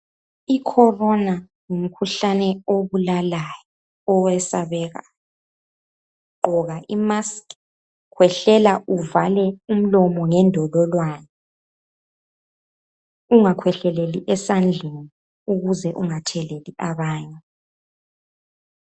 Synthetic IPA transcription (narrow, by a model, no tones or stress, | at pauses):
ikʰɔrɔna | ŋum̩kʰuɬanɛoβulalajɔ | ɔwɛsaβɛɣa̰jɔ | ǃɔɣaʔimask | kʰwɛɬɛlaʔuvalɛum̩lɔmɔŋɛndʱɔlɔlwaːnɛ | uŋakʰwɛɬɛleliʔɛsand͡ɮʱeni | uɣuzɛʔuŋatʰɛleliʔaβaːɲɛ